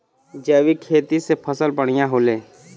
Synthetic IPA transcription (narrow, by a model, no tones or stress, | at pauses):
d͡ʒəːʋikʰeːt̪isepʰəsəlpəɽ̃ijãɦoːleː